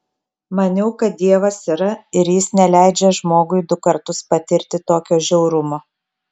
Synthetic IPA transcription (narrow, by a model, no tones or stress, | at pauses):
mɐnʲɛʊkɐt̪̚d̪ʲiɛʋɐsiɾɐɪɾjɪsnʲɛlʲæˑɪd͡ʒʲɛʒmoːɡʊɪd̪ʊkɐɾt̪ʊspɐt̪ʲɪɾʲt̪ʲɪt̪oːkʲoːʒʲɛʊɾʊmoː